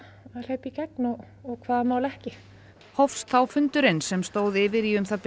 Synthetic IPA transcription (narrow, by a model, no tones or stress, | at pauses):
al̥eːpicɛknɔ | ɔɣkʰvaːðamaːwlɛhcɪ | hɔfst̪θawfʏnt̪ʏɾɪnsɛmst̪oːwðɪːvɪɾiʏmθaðp